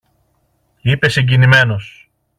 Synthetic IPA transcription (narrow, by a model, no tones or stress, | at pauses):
ipe̞seɲɟinime̞no̞s